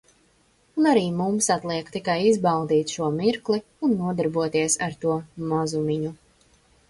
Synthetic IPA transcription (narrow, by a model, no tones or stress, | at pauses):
unaɾiːmumsat̪lˠiɛkt̪ikajizbalˠd̪iːt̪ʃuɔmiɾklˠi | unːuɔd̪aɾbuɔt̪iɛsaɾt̪uɔmɔzumiɲu